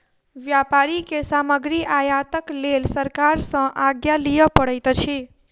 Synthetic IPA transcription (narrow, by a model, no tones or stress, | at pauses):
ʋjapaɾikesaməɡɾiʔajat̪əklelsəɾkaɾsə̃ʔaɡjalijəpəɽəjt̪t͡ʃʰi